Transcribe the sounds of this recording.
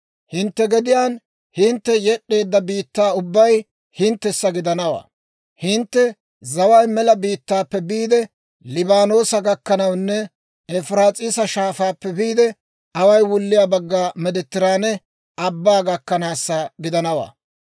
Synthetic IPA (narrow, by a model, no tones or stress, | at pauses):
hɪnt̪ːɛɡɛd̪ɪjaːn | hɪnt̪ːɛjɛɗːe̞ːd̪ːɐbiːt̪ːaːʊbːɐj | hɪnt̪ːɛsːɐɡɪd̪ɐnɐwa̰ː | hɪnt̪ːɛ | zɐwɐjmɛlɐbiːt̪ːaːpːɛbiːd̪ɛ | lɪbaːno̞ːsɐɡɐkːɐnɐwnːɛ | ɛfɾaːt͡sʼɪsɐʃaːfaːpːɛbiːd̪ɛ | ɐwɐjwʊlːɪjaːbɐɡːaːmɛd̪ɛt̪ːɪɾaːnɛ | ɐbːaːɡɐkːɐnaːsːɐɡɪd̪ɐnɐwa̰ː